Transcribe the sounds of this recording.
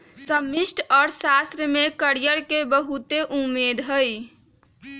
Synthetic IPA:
səmisʈʰɔːɾsast̪ɾəmekəɾijəɾkebəɦut̪eʔumːed̪ɦəj

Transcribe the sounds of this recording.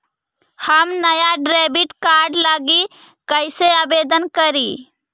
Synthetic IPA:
həmnəjaɖɾɛbiʈkaɾɖlaɡi | kəɪseabed̪ənkəɾi

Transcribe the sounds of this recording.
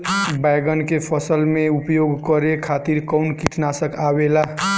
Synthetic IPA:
bajɡənkepʰəsəlmeupjoɡkəɾekʰat̪iɾkɔʊnkiʈʰnasəkʰabela

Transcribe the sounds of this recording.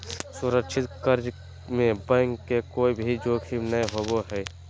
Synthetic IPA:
sʊɾəkʃʰɪt̪kəɾd͡ʒ | mẽbə̃ŋkːekoːibʱid͡ʒoːkʃimnəeɦoboɦɛː

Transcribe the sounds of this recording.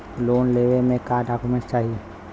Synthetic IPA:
loːnleːʋemẽkaːɖaːkumẽst͡ʃaːɦie

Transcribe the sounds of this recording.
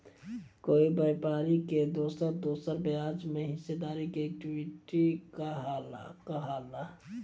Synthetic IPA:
koːibəpaːɾiked̪oːsəɾd̪oːsəɾbjaːd͡ʒmẽɦɪsed̪aːɾikeɛk̚ʈiwiʈikaɦal̰kəɦaːla

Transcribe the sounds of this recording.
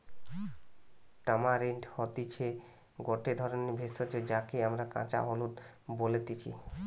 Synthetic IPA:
ʈamaɾeɳɖhɔt̪it͡ɕʰe | ɡɔʈed̪ʱɔɾonebʱesot͡ɕed͡ʑakeamɾaka̰t͡ɕa̰ɦolut̪ | bolet̪it͡ɕʰḭ

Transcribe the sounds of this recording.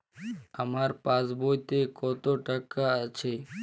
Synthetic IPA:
əmaɾpasbojt̪ekɔt̪oʈəkat͡ʃʰe

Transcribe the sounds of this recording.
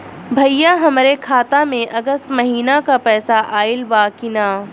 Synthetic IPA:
bʱɐjjːaɦɐmɾekʰaːt̪amẽʔɐɡəst̪mɐɦiːnakapɛːsaʔaːɪlʋaːkɪnaː

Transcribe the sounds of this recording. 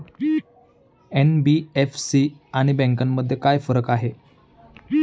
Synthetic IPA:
enbiefsiaɽ̃ibɛ̃ŋk̬amːəd̪ʱːjekajfəɾəkaɦe

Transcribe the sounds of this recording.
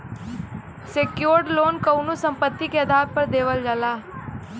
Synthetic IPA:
sekjoːɾɖloːnkəunusə̃mpət̪ːikeɐd̪ʱaːt̚pəɾd̪eːʋəld͡ʒalaː

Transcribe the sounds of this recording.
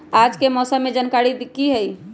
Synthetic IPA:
ad͡ʒkemɔsəmːed͡ʒənkaɾid̪kːiɦəj

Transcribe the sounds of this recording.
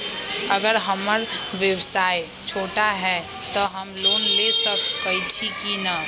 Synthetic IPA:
ɐɡəɾɦɐməɾʋjəwsaːe | t͡ʃʰoːʈaɦɛː | t̪oɦɐmloːnlesək̚ːɐit͡ʃʰikina

